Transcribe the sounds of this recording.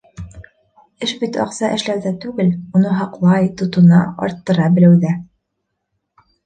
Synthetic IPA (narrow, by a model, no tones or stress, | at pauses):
ɘʃbit̪ɑ̰qsɑʔɘ̆ʃlæɾðæt̪ʉɡɘlunɤɦɑqlˠɑjt̪ŏt̪ŏnɑɑ̰ɾt̪ːɤ̆ɾɑbɘ̆læwðæ